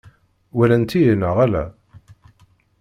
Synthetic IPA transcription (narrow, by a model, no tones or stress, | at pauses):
wælænt̪ːijənəʁælæ̰